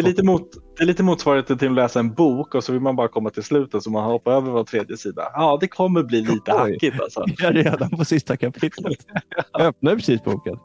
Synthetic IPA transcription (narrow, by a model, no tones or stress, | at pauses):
ɛɭiːt̪əmuːt̪d̪̥ɛːɾɭiːt̪əmuːt̪svɑːɾhet̪ənt̪ɪlɔlɛːsaɛnbuːkɔsɔvɪlmanbɑːɾakʰɔmːat̪ʰɪlslʉ̟ːt̪ət̪sɔmanhaɾhɔpːaøːvəɾvoːt̪ʰɾeːd̪jəsiːd̪a̰jɑːd̪ɛkʰɔmːəɾbliːliːt̪əhakːɪa̰lsɔ̰æɾeːd̪anpʰɔsɪst̪akʰapʰɪt̪lət̪œp̚naɾpʰɾɛsiːsbṵːkən